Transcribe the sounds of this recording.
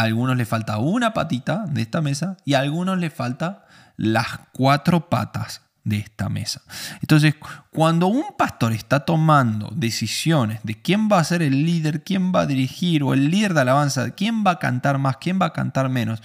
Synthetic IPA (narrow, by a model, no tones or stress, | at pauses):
alɣuno̞slesfalt̪aunapat̪it̪aðeehst̪ame̞saialɣunosle̞falt̪a | laskwat̪ɾo̞pa̰t̪as | ðeest̪a̰mḛsḁent̪o̞ns̬e̞skwand̪o̞umpast̪o̞ɾest̪at̪o̞mãnd̪o̞̰ðe̞sisjo̞ne̞zðe̞kje̞mbaːse̞ɾe̞lːiðe̞ɾkje̞mba̰ðiɾixiɾo̞ḛlːiðeɾðealaβ̞ansaðekje̞mbaka̰nt̪aɾmaskje̞mbaka̰nt̪aɾmẽ̞no̞s